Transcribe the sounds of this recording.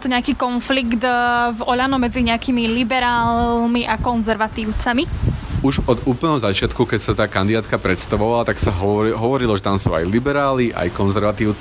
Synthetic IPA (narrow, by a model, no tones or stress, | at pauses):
t̪uɲɛakiːkɔnfliɡd̪vɔʎanɔmɛd͡ziɲɛakiːmilibɛɾaːlmiʔakɔnzɛɾʋat̪iːʊt͡samiuʒɔd̪uːpl̩nɛɦɔzat͡ʃɪat̪kukɛcsat̪aːkand̪id̪aːt̪kapɾɛt̪st̪aʋɔʋalat̪aksaɦɦɔʋɔɾilɔʒɛt̪amsuːa̰jlibɛɾaːliʔa̰jkɔnzɛɾʋat̪iːʊt͡s